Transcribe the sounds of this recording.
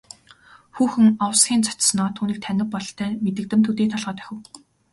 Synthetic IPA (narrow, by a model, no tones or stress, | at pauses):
xuːxɘ̆ŋawsɡʲiːnt͡sʰḁt̪snɔːt̪ʰuːniːk̚t̪ʰænʲɪ̆ppːɔɮt̪ʰæːmet̪ɘ̆k̚t̪ɘ̆mt̪ʰut̪eːt̪ʰɔɮʁə̆ːt̪æ̥xʲɪ̆w